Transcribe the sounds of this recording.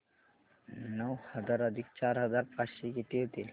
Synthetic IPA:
nɔwhʌd͡ʒaɾɔd̪ʱik̚t͡ɕaɾɦʌd͡ʒaɾpaʃikit̪iot̪il

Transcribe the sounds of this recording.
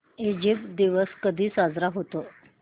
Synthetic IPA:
ed͡ʑipd̪iʋəskəd̪ʱiːsad͡zɾaɦot̪o

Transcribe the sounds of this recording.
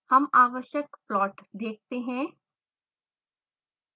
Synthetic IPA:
hɐmaːʋəʃjəkpɾɔːʈd̪eːk̚ʰt̪eɦɛ̃

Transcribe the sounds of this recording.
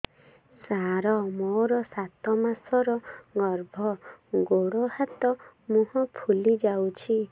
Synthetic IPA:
saɾɔmoɾɔsat̪ɔmasɔɾɔɡɔɾbʱɔɡoɽohat̪ɔmũɦɔ̃pʰulid͡ʒawt͡ʃʰi

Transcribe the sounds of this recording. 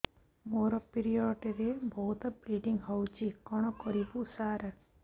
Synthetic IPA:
moɾɔpiɾiɔɖɾebɔɦut̪ɔbɾiɖiŋɡɦɔwt͡ʃʰikɔɽ̃ɔkɔɾibusaɾə

